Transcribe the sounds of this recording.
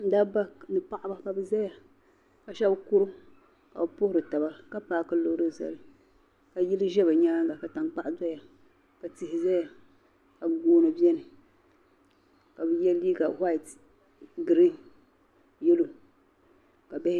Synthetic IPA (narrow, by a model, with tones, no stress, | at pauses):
n̩˦daː˦ba˦nɨ˨pa˦˨ʔa˦ba˦ka˨bɨ˦za˦ja˨ | ka˨ʃa˦bku˦ɾɨ˦ | ka̰˨bɨ˨pʊ˦hʊ˦ɾɨ˨ta˨ba˦ka˦paː˦kɨ˦lo˨˦ɾɨ˦za̰˨lɨ˨ | ka˨ji˦lɨ˦ʒɛ˦ba˨ɲaː˦ŋɡa˨ka˨ta˨ŋk͡pa˦ʔda˦ja˨ | ka˨ti˨hɪ˨za˦ja˨ | ka˨bɡoː˦nɨ˨bi˦ɛ˦nɨ˨ | ka˨bɨ˨jɛ˦liː˦ka˨ha˦˨t | ɡɨ˨ɾi˦ŋ | jɛ˦lo˨ | ka˨bɛ˦h